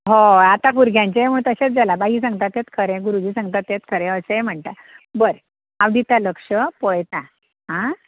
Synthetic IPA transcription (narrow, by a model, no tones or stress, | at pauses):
ɦoat̪akuɾɡʱjãɲt͡ɕaem̤uɭt̪əɕet͡s̚d͡zalabaɦis̬ãŋɡt̪at̪jet̪kʰəɾɛ̃ɡuɾud͡ʑiːsãŋɡt̪at̪ːjet̪kʰəɾɛ̃əseem̤əɳt̪a | bəɾ | aʋd̪it̪aləkʂəpɔjt̪ã | ɦã